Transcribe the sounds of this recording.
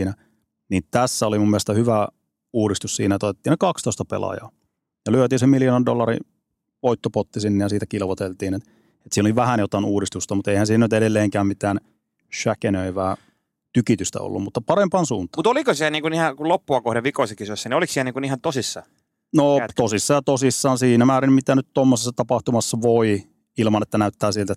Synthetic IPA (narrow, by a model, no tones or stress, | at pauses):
næ | nint̪æsːæolimumːilest̪ɑhyʋæ | uːɾist̪ussiːnæet̪ot̪et̪ːiːnekɑkst̪oˑist̪ɑpḛlɑ̰jɑ̰ː | jɑlyøt̪iːnsemiljonɑndolːɑɾḭ | ʋoit̪ːopot̪ːisinːejɑsiːt̪ækilʋot̪elt̪iːnet̪ | et̪siːnoliʋæhænjot̪ɑˑinuːɾist̪ust̪ɑmut̪eihænsiːnænyt̪eɾelːeːŋkæːmmit̪æːn | ʃækenøiʋæː | t̪ykit̪yst̪æ̰o̰lːṵmmut̪ːɑpɑrempɑnsuːnt̪ˑɑmut̪olikosiæniːŋkunihɑkulopːuɑkohdeʋikoˑisekisosːænioliksiælniːŋkunihɑnt̪osisːɑ̰ | not̪osisːɑjɑt̪osisːɑːnsiːnæmæːɾimmit̪ænyt̪t̪omːosesːɑt̪ɑpɑht̪umɑsːɑʋoi | ilmɑnet̪ːænæyt̪ːæːsilt̪æ